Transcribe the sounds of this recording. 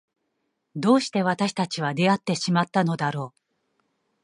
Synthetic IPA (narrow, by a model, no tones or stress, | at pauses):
d̪o̞ːɕi̥t̪e̞β̞at̪aɕi̥t̪at͡ɕiβad̪e̞at̪ːe̞ɕimat̪ːano̞d̪aɾo̞ː